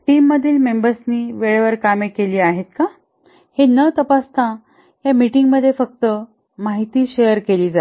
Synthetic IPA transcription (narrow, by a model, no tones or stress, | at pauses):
ʈiːmːəd̪ʱːiːlmembəɾsniːʋeɭʋəɾkamekeliːaɦet̪̚ka | henət̪əpast̪ʰã | jamiʈiŋɡməd̪ʱːjefək̚t̪ə | maɦit̪iːɕejəɾkeliːd͡zat̪